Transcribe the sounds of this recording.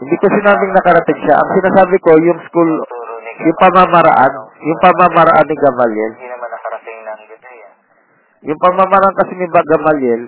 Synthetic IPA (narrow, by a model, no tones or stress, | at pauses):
hɪnd̪ikwɛsʊnaːmɪŋnɐkɐɾɐt̪ɛɡʃaʔɐ̰ŋsɪnaːsaːbɪko̞jʊŋskuljʊŋpɐmamɐɾa̰ʔanjʊŋpɐmamɐɾɐʔanːɪɡɐmaljɛl | jʊŋpɐmamɐɾaʔankɐsinɪbaɡɐmalɛl